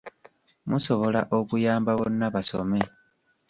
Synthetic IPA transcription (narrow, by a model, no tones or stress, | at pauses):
muso̞βo̞la̰ʔokujaːmbaβonːaβaso̞̰me̞